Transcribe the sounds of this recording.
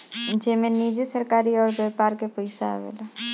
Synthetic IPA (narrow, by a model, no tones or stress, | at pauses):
d͡ʒemẽnid͡ʒesəɾkaːɾiɔːɾbeːpaːɾkepəɪsa̰ʋḛːla